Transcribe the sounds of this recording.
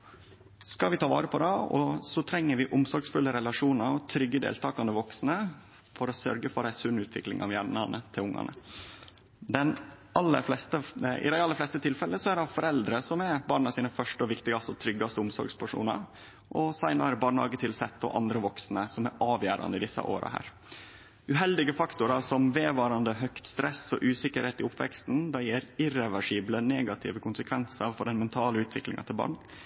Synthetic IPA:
skɑlʋɪt̪ʰɑːʋɑ̰ːɾəpʰɔd̪ɛɔ̰sɔt̪ʰɾɛŋːəɾʋɪʔʊmsɔɾɡsfʉlːəɾɛlɑʂuːnəɾɔt̪ʰɾʏɡːəd̪ḛːlt̪ʰɑːkɑnd̪əʋɔksnə | fɔɾɔsœ̰ɾɡəfɔɾæɪsʉnʉːt̪ʰʋɪklɪ̰ŋɑ̰ʋjæɳɑnət̪ʰɪlʊŋːɑ̰nə̰ | d̪ɛn | ɑlːə̰flɛst̪əɪ̰d̪æɪɑlːəɾflɛst̪ət̪ʰɪlfɛlːəsɔædɑfɔɾɛld̪ɾəsɔmæɾbɑːɳɑsiːnəfœʂʈəɔʋɪkt̪ɪɡɑst̪əɔt̪ʰɾʏɡːɑst̪əʊmsɔ̰ɾɡspʰæʂṵːnə̰ɾ | ʔɔsæɪnɑɾəbɑːɳhɑ̰ːɡət̪ʰɪlsɛt̪ːɔ̰ʔɑnd̪ɾəʋɔksnəsɔmæɾʔɑːʋjæːɾɑ̰nd̪əɪd̪ɪsːɑ̰ʔo̰ːɾɑ̰hæ̰ːɾ | ʉɦɛld̪ɪɡəfɑkt̪ʊɾɑsɔmʋeːʋɑːɾɑnd̪əɦœkt̪st̪ɾɛsːɔ̰ʔʉːsɪkəɾheːt̪ɪʊpːʋɛ̰kst̪n̩d̪ɑjeːɾɪɾɛʋæʂiːbləneːɡɑt̪ʰɪ̰ʋəkʰʊnsəkʰʋɛnsəɾfɔɖɛnmɛnt̪ʰɑːləʉːt̪ʰʋɪklɪ̰ŋɑ̰t̪ʰɪlbɑ̰ːɳ

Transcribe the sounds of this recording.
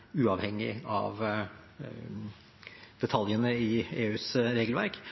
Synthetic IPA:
ʉːɑʋhɛŋːɪ̰ɑ̰ʋ | d̪̥ɛt̪ʰɑljənəɪeːʉːsɾeːɡlʋæ̰ɾk

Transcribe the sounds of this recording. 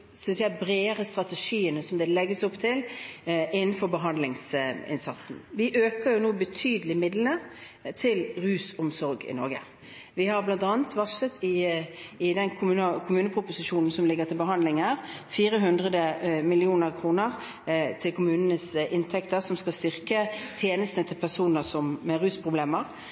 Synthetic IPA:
sʏnsjæbɾeːəɾəst̪ʁɑt̪ɛʂiːənəsɔmd̪ɛlɛɡːəsɔpːt̪ʰɪlʔɪnːn̩fɔɾbəɦɑnd̪lɪŋsɪ̰nsɑt̪sn̩ʋɪʔøːkəɾjʊnuːbət̪ʰyːd̪əlɪmɪd̪lənə | t̪ʰɪlʁʉːsʊmsɔɾɡɪ̰nɔɾɡə̰ | ʋɪhɑɾblɑnt̪ɑːnət̪ʋɑʂət̪ʰɪ | ɪd̪ɛnkʰʊmʉnəkʰʊmʉːnəpʰɾʊpʊsɪʂuːnn̩sɔmlɪɡːəʁt̪ʰɪlbəɦɑnd̪lɪŋəʁfiːɾəɦʉnd̪ʁəd̪əmɪlɪuːnəɾkʰʁuːnəʁ | t̪ʰɪlkʰʊmʉːnənəsʔɪnt̪ʰɛkt̪əɾsɔmskɑlst̪ʏɾkət̪ʰjeːnəst̪ənət̪ʰɪlpʰæʁsuːnəsɔmmɛɾʉːspʰʁʊbleːməʁ

